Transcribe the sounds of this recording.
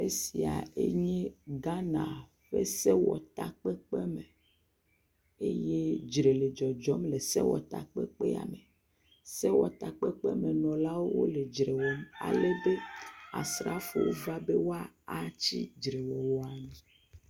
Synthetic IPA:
e˦si˨a̰˨ḛ˦ɲɛ˦ɡa˦nã˨ | ɸḛ˦sɛ˦wɔ̰˨t̪a˨k͡pɛ˦k͡pe˦me˨ | e˦je˦d͡ʒɾe˨le˨d͡ʒɔ˨d͡ʒɔ˦mle˨sḛ˦wɔ̰˨t̪a̰˨k͡pɛ˦k͡pe˦a̰˨me˨ | sɛ˦wɔ˨t̪a˨k͡pe˦k͡pɛ˦me˨nɔ̃˨la˦wo˦wo̰˦le˨d͡ʒɾe˨wɔ˦ma̰˨le˦be˦a̰˨sɾa̰˦fu˦wo̰˦va˦be˦wo˦a˨a˦t͡ɕi˦d͡ʒɾe˨wɔ˨wɔ˨a˨mĩ˨˦

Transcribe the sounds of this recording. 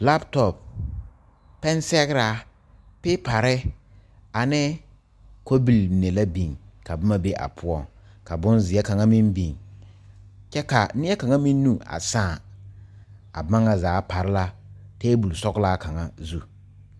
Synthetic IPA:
la˦btɔ˨p | ɛ˦nsɛ˦ɣɾa˦ | pɪ˦pa˨ɾɪ˦ | a˨nɪ˦ | ko˦bi˨lne˨la˦bi˨ŋka˨bʊ˦ma˦be˦ʔa̰˨pʰʊ˦ɔ˦ŋ | ka˨bʊ˦nzɪ˨ɛ˦ka˨ŋa˦mi˦nbi˨ŋ | t͡ʃɛ˦ka˨nɪ˦ɛ˦ka˨ŋa˦mĩ˦nː˦u˦˨a̰˨sãː˦˨ | a̰˨ba˦ŋa˨zaː˨˦pa˨ɾɪ˦la˦teː˦bu˨lsɔ˦ɡla˦ka˨ŋa˦zu˦˨

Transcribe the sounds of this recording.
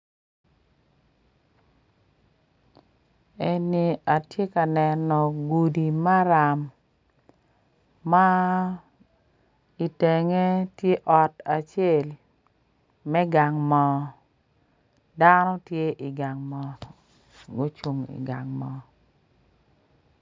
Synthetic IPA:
ɛ˨ni˨a˨tje˦ka˨nɛ˨nɔ˨ɡu˨di˨ma˦ɾa˨m | a˦ | i˨te˨ŋe˦tje˦ʔɔ˨ta˨t͡ʃe˦l | mɛ˦ɡa˨ŋmɔ˨ | da˦nɔ˦tje˦ʔi˨ɡa˨ŋmɔ˨ | ɡo˦t͡ʃu˦ŋḭ˨ɡa˨ŋmɔ˨

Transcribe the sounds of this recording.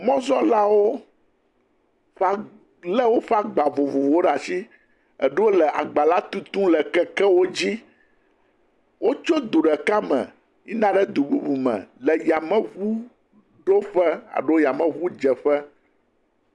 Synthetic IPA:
mɔ̃˦zɔ˦la˦wo˦ | ɸa˦˨ | lɛ˦wo˦ɸa˦ɡ͡ba˨vo˨vo˨vo˨o˦ɖa˨si˦ | ɛ̰˨ɖe˦wo˦lɛ˨ʔa̰˨ɡ͡ba˨la˦t̪ũ˦t̪ũ˦lɛ˨kɛ˦kɛ˦wo˦d͡ʑi˦ | wʔo˦t͡ʃo˦d̪u˨ɖɛ˨ka˦mɛ̰̃˨ | ɲi˦nã˦ɖɛ˦d̪u˨bu˦bu˨mɛ̰̃˨lɛ˨ja˨mɛ̃˦βu˦ | ɖo˦ɸɛ˦a̰˨ɖo˦o˦ja˨mɛ̃˨βu˦d͡ʒɛ˨ɸɛ˦

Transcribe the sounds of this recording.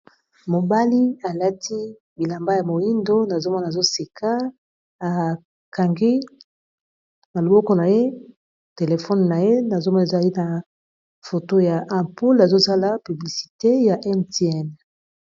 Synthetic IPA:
mo˨ba˦li˦a˨la˦tʰi˦ | bi˨la˨mba˦ja˨mo˨ji˦ndo˦na˨zo˦mɔ˦n˨zo˦si˨kʰa˦ | a˨ | ka˨ŋɡi˦ | na˨lo˨bɔ˦kɔ˦na˨je˦ | te˨le˨fɔ˦nna˨je˦na˨zo˦mɔ˦n˨za˨li˦na˨ | fo˨to˦ja˨ʔa˨pu˦la˨zo˦sa˦la˨py˨bli˨si̥˨te˦ja˨ʔɛ˦nte˦ɛ˦˨n

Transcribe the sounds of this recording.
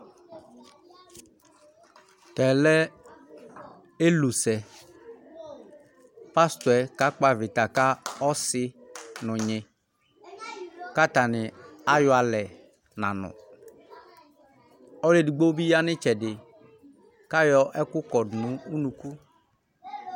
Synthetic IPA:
tɛ˨lɛ˦ | e˦lu˨sɛ˨ | pa˦st̪wɛ˨ka˦k͡pa˨vɪ˨ta˨ka˦ɔ˦sɪ˦nʊ̃˨ɲɪ˨ | ka˦ta˨nɪ˨a˦jʊ˨˦a˨lɛ˨ | nã˨nʊ̰̃˨ | ɔ˦le˦di˨ɡ͡bo˦bi˦ja˦nɪ˦t͡ʃɛ˨dɪ˨ | ka˦jɔ˦ʔɛ˦kʊ˦kɔ˨dnʊ̃˨˦u˦nũ˨ku˦

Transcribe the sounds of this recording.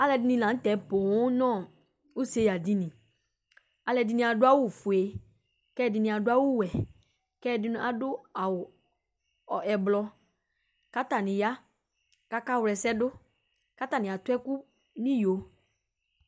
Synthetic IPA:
a˨lɛ˨dɪ˨˦nĩ˧˨lã˨˦n̩˦tɛ˨˦pʊ˨ʊ˦nɔ̃˦˨ | u˦se˦ja˨di˦nĩ˨ | a˨˧lɛ˨dɪ˧nĩ˧˦a˨dʊ˦a˦wʊ˦˨fʊ˨e˨ | kɛː˦˨dɪ˧˨nɪ̃˨a˨dʊ˦a˦wʊ˦wɛ˨ | kɛ˦˨dɪ˦nʊ̃˧˦a˨dʊ˦a˨wʊ˨ | ɔ˨ɛ˨blɔ˧ | ka˦ta˨nɪ̃˨ja˦ | ka˧ka˦˨wʊ˨ɾɛ˨sɛ˦dʊ˦ | ka˦ta˨nɪ̃˨a˨tʊ˦ɛ˦ku˦ | nĩ˦jo˨

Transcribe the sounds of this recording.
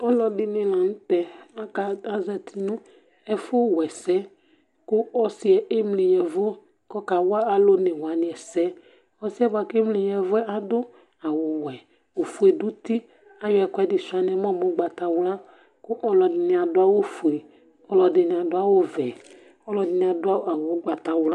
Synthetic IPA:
ɔ˦lɔ˨dɪ˦nĩ˨lã˨nũ˦t̪ɛ˨a˦ka˨a˦zɛ˨t̪ʰi˨nũ˦ | ɛ˦fʊ˦wɛ˨sɛ˦ | kʊ˦ɔ˦si˦ɛ˨ʔe˦mli˨ɲɛ˨vo˦ | kɔ˦ka˨wʊ˦a˦a˨lo˦nẽ˨wa˨nɪ̃˨ɛ˨sɛ˦ | ɔ˦si˦ɛ˦ba˨kmli˨ɲɛ˨vo˦ɛ˦ʔa˨dʊ˦ | a˨wo˨wɛ˨ | o˨fu˨˦e˨du˦t̪i˦ | a˦jɔ˦ɛ˨kɔ˦ɛ˦dɪ˨su˨a˨nɛ̃˨˦m˦ɔ̃˦mo˨˦ɡ͡ba˨t̪a˨wla˦ | ko˦ʔɔ˦lɔ˨dɪ˨nĩ˨a˨dʊ˦a˦wo˦fu˨e˨ | ɔ˦lɔ˨dɪ˨nĩ˨a˨do˦a˦wo˦vɛ˨ | ɔ˦lɔ˨dɪ˨nĩ˨a˨do˦a˦a˨wo˨˦ɡ͡ba˨t̪a˨wla˦

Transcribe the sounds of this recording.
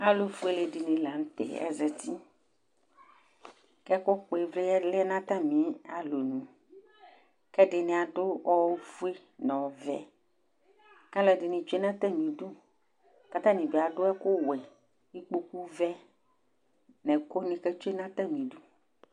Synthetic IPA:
a˦lo˨vu˦e˦le˨dɪ˨nĩ˨la˨ŋ̩˦t̪ɛ̰˨ɛ̰˦zɛ˨t̪i˦ | kɛ˦ko˦k͡pe˨vle˦ɛ˦lɛ˦nã˦t̪ã˦mĩ˨˦a˨lo˨nũ˨ | kɛ˦ɖɪ˨nẽ˨a˨dʊ˦ɔ˦vu˦e˦ | nɔ̃˨vɛ̰˨ | ka˦lɛ˨dɪ˨nĩ˨t͡ʃe˦nã˦t̪a˦mĩ˨du˦ | ka˦t̪ã˦nĩ˨be˨a˨ɖʊ˦ɛ˦ko˦wɛ˨ | i˦k͡po˦ku˦vɛ˦ | nɛ̃˨ko˦nĩ˦kɛ˦t͡ʃo˦e˦nã˦t̪a˦mĩ˨du˦

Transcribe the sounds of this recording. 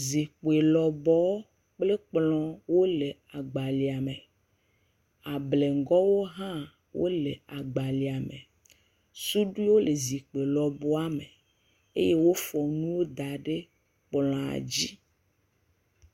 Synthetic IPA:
zi˨k͡pe˨lɔ˨bɔ˨˦ | k͡ple˦k͡plɔ̃˦wo˦le˨ | a˨ɡ͡ba˨li˨a˨me˨ | a˨ble˨ŋ˦ɡɔ˦wo˦ɦã˦ | wʔo̰˦le˨a˨ɡ͡ba˨li˨a˨mḛ˨ | su˦ɖu˦i˦wo˦le˨zi˨k͡pe˨lɔ˨bɔ˦a˦me˨ | e˦je˦wo˦fɔ˨nũ˦wo˦d̪a˨ɖe˦ | k͡plɔ̃˨a̰˨d͡ʑi˦

